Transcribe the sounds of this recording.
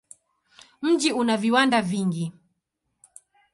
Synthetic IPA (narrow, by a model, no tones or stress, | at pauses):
m̩d͡ʒiunaviwandaviŋɡi